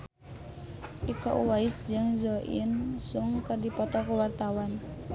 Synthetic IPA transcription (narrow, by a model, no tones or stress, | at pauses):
ʔikɔ̰ʔuwaisd͡ʒɨŋzɔʔḭnsuŋkɨrdipɔt̪ɔkəwart̪awan